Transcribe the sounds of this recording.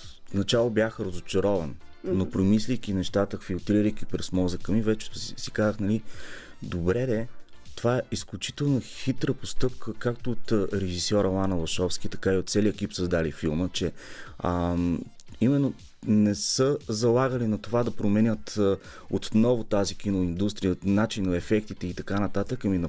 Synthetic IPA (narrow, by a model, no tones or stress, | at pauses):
nɐt͡ʃalˠobjaxəɾəzʊt͡ʃɐɾɔvɐnnopɾomislʲijk̟ʲinɛʃt̪at̪əfilˠt̪ɾiɾəjk̟ʲipɾɛsmɔzəkəmivɛt͡ʃɛ̥t̪ssi̥kazəxnɐli | d̪obɾɛɛt̪ovaɛisklʲut͡ʃi̥t̪ɛlˠnoxit̪ɾəpost̪ɤp̚kʰəkakt̪oːt̪ɾɛʒisjɔɾɐlˠanɐlˠɐʃɔfskʲit̪ɐ̥kaiot̪̚sɛliəkʲipsəzd̪alifilˠmət͡ʃɛə | imɛnːo | nɛsəzɐlˠaɡəlinɐt̪ovad̪ɐpɾomɛnʲət̪ | ot̪nɔvot̪azik̟ʲinoind̪ust̪ɾijənat͡ʃinɐɛfɛk̚t̪it̪ɛit̪ɐkanɐt̪at̪əkəminɐ